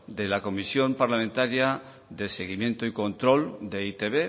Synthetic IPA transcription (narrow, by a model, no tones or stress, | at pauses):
d̪elako̞misjo̞mpaɾlamẽnt̪aɾja | ðe̞seɣ̞imje̞nt̪oikõ̞nt̪ɾo̞ld̪eit̪eβe